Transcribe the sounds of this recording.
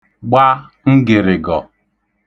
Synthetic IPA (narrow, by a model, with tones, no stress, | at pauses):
ɡ͡ba˦ | ŋ̩˦ɡɪ˨ɾɪ˨ɡɔ˨